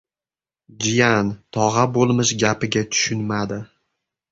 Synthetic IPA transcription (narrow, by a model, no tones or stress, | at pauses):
d͡ʒijant̪ʰɒʁabolˠmɪʃɡʲapɪɡʲat̪ʰʊ̥ʃʊnmad̪ɪ